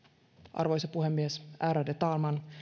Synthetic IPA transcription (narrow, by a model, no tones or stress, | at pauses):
ʔɑ̰rʋojsepuɦemːiesæːɾædet̪ɑːlmɑn